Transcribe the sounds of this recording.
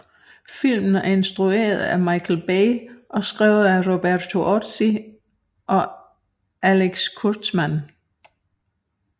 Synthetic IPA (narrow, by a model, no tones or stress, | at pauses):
fil̰mn̩æɐe̝nsd̥ʁue̝̰ːɐð̩ˠæmɑ̈ɪkʰl̩b̥eɪʔɒ̽sɡ̥ʁɛ̰ʊð̩ˠæʁo̝b̥æɐt͡sʰo̝ʔɒd̥si | ʔɒ̽ | æleɡ̥skʰud̥smæn